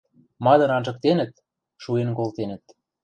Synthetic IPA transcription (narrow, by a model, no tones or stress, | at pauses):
mɑd̪ɤ̆nɑnʒɤ̆k̚t̪enə̆t̪̚ | ʃuenkolt̪enə̆t̪